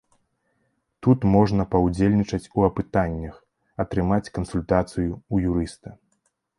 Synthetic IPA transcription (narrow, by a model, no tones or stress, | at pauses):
t̪ut̪mɔʐnɐpɐwd͡zʲelʲnʲit͡ʂɐt͡sʲuɐpɨt̪anʲːɐx | ɐt̪ɾɨmat͡sʲkɐnsulʲt̪at̪sɨjuːjuɾɨst̪ɐ